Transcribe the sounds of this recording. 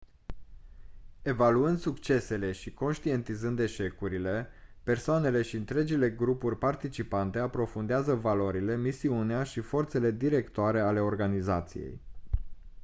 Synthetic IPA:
e̞valuɨnd̪sukt͡ʃe̞se̞le̞ʃiko̞nʃt̪ie̞nt̪izɨnd̪e̞ʃe̞kuɾile̞pe̞rsoane̞le̞ʃiɨnt̪ɾe̞d͡ʒile̞ɡɾupurʲpart̪it͡ʃipant̪e̞apɾo̞fund̪eazəvaloɾile̞misiuneaʃifo̞rt̪se̞le̞d̪iɾe̞kt̪oaɾe̞ale̞o̞rɡanizat̪sijḛj

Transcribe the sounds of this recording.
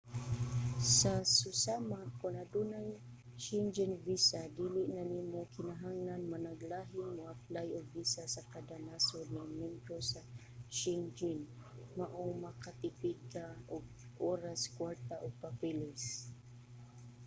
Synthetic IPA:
sasʊsamakʊnad̪unaj | t͡ʃɪnd͡ʒɛnvisad̪iːlɪʔnanimokɪnaɦaŋlanmanaɡlaːɦɪŋmʊaplajoɡ̚visasakad̪anasonɪmjɛmbɾosa | t͡ʃɛnd͡ʒɪnmaʔomakat̪ɪpiɡkaʊɡ̚ʔoɾaskwaɹt̪aʔʊɡ̚papɛlɪs

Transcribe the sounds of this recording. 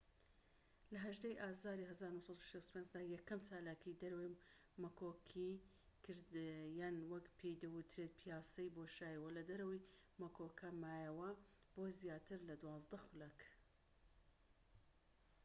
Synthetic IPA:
lɐɦɐʒd̪ejʔaːzaːɾiɦɐzaːɾnuhsˤɑt̪uʃest̪upʰenzd̪aːjɛkːɐmt͡ʃaːlaːkʰid̪ɐɾɐwɐj | mɐkʰoːkʰi | kʰɨɾd̪jaːnwɐkpʰejd̪ɐwɨt̪ʰɾeːt̪̚pʰijaːsɐjboʃaːjɐwɐlɐd̪ɐɾɐwɐj | mɐkʰokʰɐmaːjɐwɐ | b̥oːzjaːt̪ʰɨɾlɐd̪wɑːzd̪ɐxʊlɐk

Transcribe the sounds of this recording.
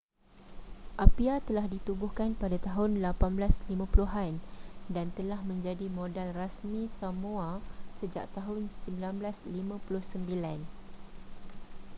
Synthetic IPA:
ʔapiat̪əlahdit̪ubʊhkanpadat̪aɦʊnlapanblaslimãpuluɦandant̪əlahmə̃ɲd͡ʒadimõdalrasmĩsamũasəd͡ʒa̰ʔ̚t̪aɦʊnsəmbilanblaslimãpulʊhsəmbilan

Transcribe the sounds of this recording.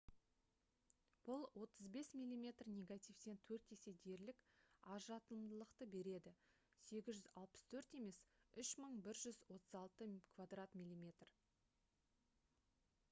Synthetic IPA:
b̥ʊlˠwʔo̞t̪əzbe̞smilʲːimʲe̞t̪rnʲeɡat̪ʲijfse̞nt̪ʰɵɾt̪e̞se̞d̪e̞ɾlɪkɑʒɑt̪əlˠəmd̪əlˠəqt̪əbe̞ɾe̞d̪ɪ | se̞ɡʲɪzʒʏzɑlˠpə̥st̪ʰɵɾt̪e̞me̞sʏʃməɴbɪɾʒʏzwo̞t̪əzɑlˠt̪əkʰvad̪rat̪mʲilʲːimʲe̞t̪r

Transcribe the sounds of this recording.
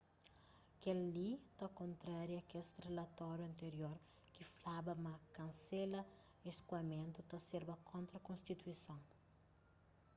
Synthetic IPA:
kelːit̪ɐkõnt̪ɾaɾjɐkest̪relɐt̪ɔɾjuɐ̃nt̪eɾjoɾ | kiflabɐmɐkɐ̃nselɐ | eskwɐmẽnt̪ut̪ɐseɾbɐkʰõnt̪ɾɐkõnst̪it̪uisõŋ

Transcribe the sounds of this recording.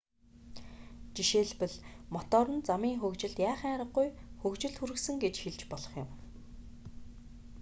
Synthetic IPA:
t͡ɕiʃeːɮpɘ̆ɮmɔt̪ɔːɾə̆nt͡samiːŋxɵkt͡ɕɪ̆ɮt̪jaːχaŋɾə̆ɢujxɵkt͡ɕɪ̆ɮt̪xuɾɘ̆ksɘ̆ŋɡet͡ɕxeɮt͡ɕpɔɮɞ̆χjʊ̆m

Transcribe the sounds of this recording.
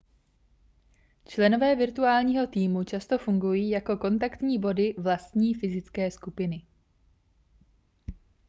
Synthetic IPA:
t͡ʃlɛno̞vɛːvɪɾt̪uaːlɲiːɦo̞t̪iːmut͡ʃast̪o̞fuŋɡujiːjako̞ko̞nt̪̬akt̪ɲiːbo̞dɪvlast̪ɲiːfɪzɪt͡skɛːskupɪnɪ

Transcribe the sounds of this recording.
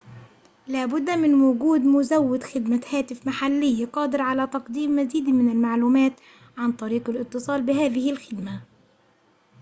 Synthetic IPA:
laːbʊd̪ːmɪnwʊɡuːd̪mʊzawːɪd̪xɪd̪mahaːt̪ɪfmaħalːɪjːaqɑːd̪ɪɾʕalat̪ɑqd̪iːmːaziːd̪mɪnalmaʕluːmaːt̪ | ʕant̪ˤɑɾiːqalʔɨt̪ːɨsˤɑːlbɪɦaːðɪhɪlxɪd̪ma

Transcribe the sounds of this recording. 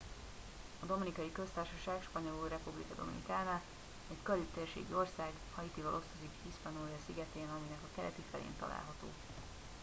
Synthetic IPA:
ɒd̪o̞minikɒjikø̞st̪aːrʃɒʃaːɡʃpɒɲo̞luːrɛpublḭkɒd̪o̞̰mḭnḭkaːnaː | ɛckølyt̪ːeːrʃḛːɡio̞rsaːɡ | hɒjit̪ivɒlo̞st̪ozikhiʃpɒnojɒsiɡɛt̪eːnɒminɛkɒkɛlɛ̰t̪ifɛlḛːnt̪ɒ̰la̰ːlɦɒt̪o̰ː

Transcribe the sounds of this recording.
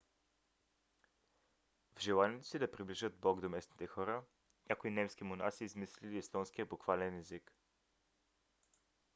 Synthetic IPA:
vʒɛlˠanʲit̪osid̪ɐpɾiblʲiʒəd̪̚bɔɡd̪omɛsni̥t̪ɛxɔɾə | nʲakoinɛmskimona̰siːzmisliliːst̪ɔnskiəbʊkvalɛnɛzik

